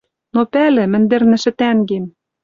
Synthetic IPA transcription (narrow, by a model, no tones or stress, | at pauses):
nopælɘ̆mɘ̆nd̪ĕrnɘ̆ʃɘ̆t̪æŋɡem